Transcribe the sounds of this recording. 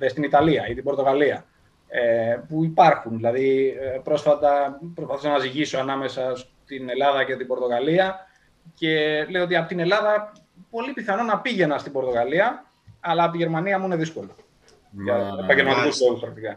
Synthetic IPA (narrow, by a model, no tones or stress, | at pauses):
est̪init̪ɐliɐit̪ibo̞ɾt̪o̞ɣaliɐ | epuipɐɾxunðilɐðipɾo̞sfɐt̪ɐpɾopɐθusɐnɐziʝisoɐnɐme̞sɐst̪ine̞lɐðɐce̞t̪ibo̞ɾt̪o̞ɣɐliɐ | ce̞le̞joot̪iɐpo̞t̪ine̞lɐðɐ | po̞lipiθɐno̞nɐpiʝe̞nɐst̪ibo̞ɾt̪o̞ɣɐliɐː | lɐpot̪iʝe̞ɾmɐniɐmuine̞ðisko̞lo | ʝɐepɐɲɟelmɐt̪ikuso̞ɣuspɾɐk̚t̪ikɐ